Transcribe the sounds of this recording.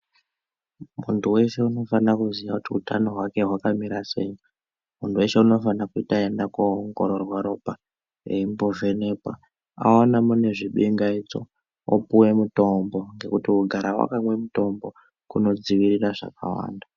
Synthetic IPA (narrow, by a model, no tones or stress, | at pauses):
muntuwe̞ʃe̞uno̞fanakuzijakutiutano̞ɦwake̞ɦwakamiɾase̞̰ːjo | muntʰuwe̞ʃe̞uno̞fanakuitaendakoŋɡo̰ɾorwaɾo̞pa | eimbovenepa̰ | a̰onamune̞ʐiɓiŋɡait͡so̞̰ | o̰puwe̞muto̞mbo̞ŋɡe̞kutiuɡʱaɾawa̰kamwe̞muto̞mbo̞ | kuno̞d͡ziʋiriraʐa̰ka̰wa̰ːnda